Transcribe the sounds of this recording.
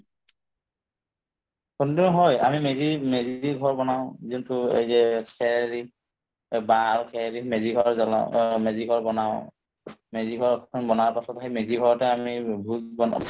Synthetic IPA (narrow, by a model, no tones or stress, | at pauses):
kundinɦɔja̰mimezimeziɡʱɔɹbɔnaʊ̃zintʊḛjzɛkʰɛɹi | baːɹukʰɛɹimeziɡʱɔɹzɔl̰meziɡʱɔɹbɔnaʊ̃ | meziɡʱɔɹʰɔnbɔnaɹpasɔtaɦimeziɡʱɔɹɔtɛamibʱulbɔn